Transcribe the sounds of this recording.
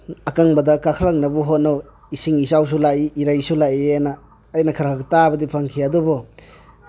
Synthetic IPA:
ɐkaŋbɐdɐkakʰalak̚nɐbɔɦot̚naw | isiŋisaws̬ulaiʔːɾajsulaianaː | jnɐkʰaɾkʰaktabɐdipʰaŋkʰiadubɔ

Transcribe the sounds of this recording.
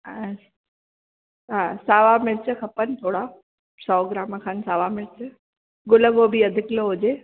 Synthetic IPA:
ɦaːsaːʋamɪɾt͡ɕəkʰɐpənt̪ʰoːɽa | sɔːɡɾaːməkʰaːnsaːʋamɪɾt͡ɕə | ɡʊləɡobʱiɐd̪ʱɪkloɦʊd͡ʑeː

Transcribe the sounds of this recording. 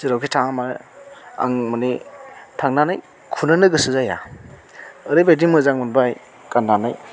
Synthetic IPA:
sɯɾawkʰitʰaŋama | a̰ŋmanitʰaŋnanaj | kʰunɯnɯɡɯsɯzaja̰ | ɯɾɯjbadiŋmɯzaŋmunbaj | kanːanaj

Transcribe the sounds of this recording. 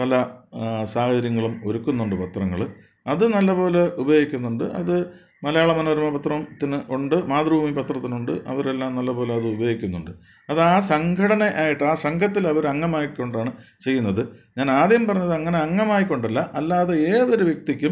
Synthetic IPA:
pɐlɐsaːhɐd͡ʑɐɾjɐŋːɐɭumo̞ɾukːunːuɳɖɨpɐt̪rɐŋːɐ̰ɭ | ɐðɨnɐlːɐbo̞ːle̞ʔubɐjo̞ːɡikʲːunːuɳɖɨʔɐ̰ðɨ | mɐlɐjaːɭɐmɐnoːɾumɐpɐt̪rɐmt̪ːinɨʔuɳɖɨmaːt̪rbʱuːmipɐt̪rɐt̪ːinuɳɖɨ̰ʔɐ̰ʋɐɾe̞lːaːmnɐlːɐbo̞ːle̞ɐðɨubɐjoːɡikʲːunːuɳɖɨ | ɐðaːsɐŋɡʱɐɽɐne̞ʔaːjiʈːɨaːsɐŋɡʰʱɐt̪ːilɐʋɐɾɐŋːɐmaːjio̞ɳɖaːɳɨt͡ɕe̞jːunːɐðɨɲaːnaːd̪jɐmpɐrɐɲːɐðɨɐŋːɐne̞ɐŋːɐmaːjikːo̞ɳɖɐlːɐʔɐlːaːðeeːðo̞ɾuʋjɐk̚t̪ikʲːum

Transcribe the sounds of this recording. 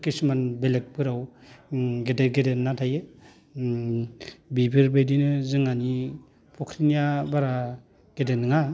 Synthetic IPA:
kismanbelek̚bɯɾaw | ɡedeɡedenːatʰajɯ | bibʰiɾbejdinɯzɯŋani | pʰɔkʰɾinijabaɾa | ɡ̥edenɯŋa

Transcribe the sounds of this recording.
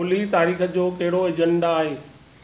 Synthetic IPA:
olit̪aːɾiːxəd͡ʑoːkɐɦɪɽoɐd͡ʑəɳɖaːɦeː

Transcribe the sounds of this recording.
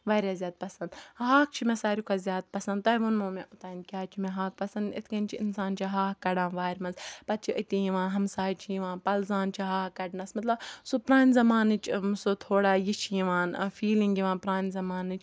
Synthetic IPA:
ʋaːɾʲazʲaːd̪̚pɐsɐnd̪ɦaːk̚t͡ʃʰimẽsaːɾikʰaːzʲjaːd̪̚pɐsɐ̃nd̪t̪ɐːʋonmoːmẽʔʊt̪aːinkʲaːt͡ʃʰimẽɦaːk̚pɐsɐnd̪ḭt̪ʰkɐnt͡ʃʰiḭnsaːnt͡ʃʰiɦaːkɐɽãːnʋaːɾʲmɐnzpɐt̪̚t͡ʃʰiʔət̪ijiʋãːnɦɐmsaːjt͡ʃʰijiʋãːnpɐlzaːnt͡ʃʰiɦaːhkɐɖnɐsmɐt̪lɐbsopɾaːnʲzɐmaːnɨt͡ʃʰmsot̪ʰoːɽaːjit͡ʃʰijiʋaːnfiːlĩŋɡiʋaːnpɾaːnzɐmaːnɨt͡ʃʰ

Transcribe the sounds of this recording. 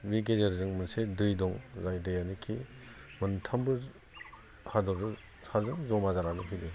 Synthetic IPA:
wiɡ̬ezaɾzɯŋmɯnsedɯjdɔŋzajdɯjanikʰimɯntʰambɯ | hadɔɾdɯ | sazɯŋzɔmazaɾanɯɦʰidɯ

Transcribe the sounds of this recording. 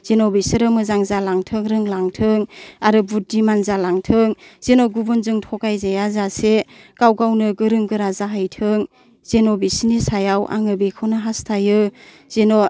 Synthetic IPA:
z̥enɔbisiɾɯmɯzaŋzalaŋtʰɯŋɾɯŋlaŋtʰɯŋaɾɯbudimanzalaŋtʰɯŋz̥enɔɡubɯnzɯŋtʰɔkajzajazasekawɡawnɯɡɯɾɯŋɡɯɾazaɦajtʰɯŋ | z̥enɔbisinisajawʔa̰ŋɯbikʰɯwnɯɦastʰajɯ | z̥eno

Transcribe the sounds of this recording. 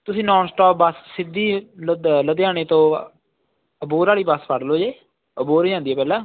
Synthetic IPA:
t̪ʊsĩːnɔːnsʈɔːp̚bəsːɪd̪ːiːlələd̪eːaːɽ̃eːt̪õː | əboːɾaːliːbəspʰəɽloːd͡ʒeː | əboːɾːãːnd̪iːɛːpɛːlãː

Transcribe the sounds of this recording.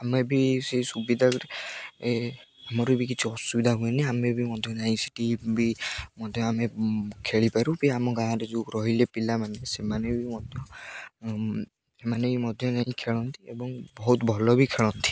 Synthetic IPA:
amebiseisubid̪ʱa | eamɔɾebʱikit͡ʃʰuɔsubid̪ʱaɦueniamebimɔd̪ʱjɔd͡ʒaĩsi̥ʈibimɔd̪ʱjɔamekʰeɭipaɾubiamɔɡãɦãɾed͡ʒukɾɔɦilepilamanesemanebimɔd̪ʱjɔ | semanebimɔd̪ʱjɔnaɦĩkʰeɭɔnt̪iebɔŋbɔɦut̪bʱɔlɔbikʰeɭɔnt̪i̥

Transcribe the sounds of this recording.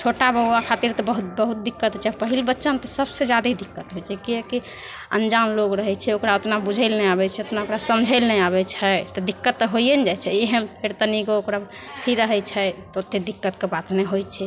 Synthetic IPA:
t͡ʃʰoʈabəɡwakʰat̪iɾt̪ɔbəɦut̪bəɦut̪̚d̪ikːət̪ɦot͡ʃʰɛpəɦilbətːʃamet̪ɔsəbsed͡ʒad̪id̪ikːət̪ɦojt͡ʃʰɛkiɛki | ə̰nd͡ʒanloɡɾəɦɛt͡ʃʰɛokɾaot̪nabud͡ʒʱəlnɛaβɛt͡ʃʰɛot̪naokɾasəmd͡ʒʱəɪlnɛaβɛt͡ʃʰɛt̪ɔd̪ikːət̪ːɔɦojənd͡ʒajt͡ʃʰɛeɦənpʰeɾt̪əniɡookɾa | t̪ʰiɾəɦɛt͡ʃʰɛt̪ɔot̪ːed̪ikːət̪kebat̪nɛɦojt͡ʃʰɛ

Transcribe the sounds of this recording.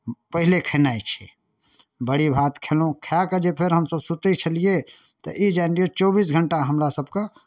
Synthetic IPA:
pəɦilekʰənajt͡ʃʰɛ | bəɽibʱat̪kʰelũkʰjaked͡ʒepʰeɾɦəmsəbsut̪it͡ʃʰəlije | t̪ɔ̰ʔid͡ʒanɾijot͡ʃɔbisɡʱəɳʈaɦəmɾasəbke

